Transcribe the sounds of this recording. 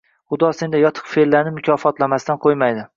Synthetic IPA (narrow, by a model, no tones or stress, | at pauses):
χʊd̪ɒse̞nd̪ajɒt̪ʰɨ̥qfelːanɪmʊkʲʰɒfɒt̪lamast̪anqʰojmajd̪ɪ